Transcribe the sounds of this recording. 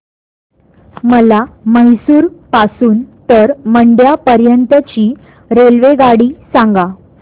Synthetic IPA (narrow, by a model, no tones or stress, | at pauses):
məlaməɦisuːɾpasuːnt̪əɾməɳɖjapəɾjənt̪ət͡ɕiː | ɾelʋeɡaɽiːsãŋɡa